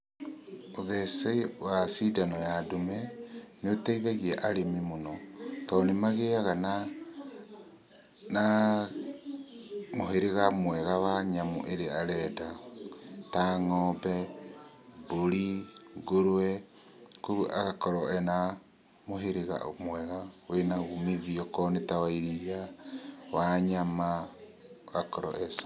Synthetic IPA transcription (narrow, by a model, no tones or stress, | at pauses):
oðɛsɛiwasidanɔjadomɛneotɛiðɛɣiɛʔaɾemimonɔtɔːnemaɣeaɣana | na | moɦeɾeɣamwɛɣawaɲamo̰ʔeɾeaɾɛda | taŋɔbɛ | boɾiɡoɾwwɛ | kuuʔa̰ɣakɔɾɔɛna | moɦeɾeɣa̰ʔo̰mwɛɣawenaɣumiðiɔkɔnetawaiɾia | waɲama | ɣakɔɾɔ̰ʔɛsa